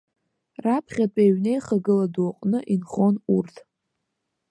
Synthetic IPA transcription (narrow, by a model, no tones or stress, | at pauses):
rapʰχʲatʼeɥne̞jχaɡɨladuaqʼnɨʔinχo̞nurtʰʼ